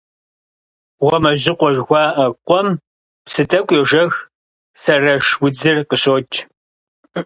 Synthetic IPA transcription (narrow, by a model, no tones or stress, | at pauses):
ʁʷɔmɐʑɪqʷɔʒɣʷɑːʔɐqʷʼɔm | psɨtʰɐkʷʼjeʒɐx | sɐrɐʃwʊd͡zɨrqəɕoːt͡ʃʼ